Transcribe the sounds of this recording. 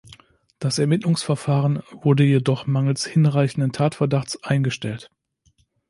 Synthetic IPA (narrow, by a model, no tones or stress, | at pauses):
d̥asɛɐmɪtlʊŋsfɛɐfaːʁənvʊɐdəjedɔχmaŋl̩shɪnʁaɪçn̩dəntʰaːtfɛɐdaχt͡sʔaɪnɡəʃtɛlt